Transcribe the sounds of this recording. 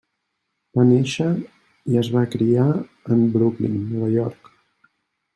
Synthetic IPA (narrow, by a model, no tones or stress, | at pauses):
b̥aneʃə | iəzβakɾiaəmbɾuklḭnːɔβəjɔɾk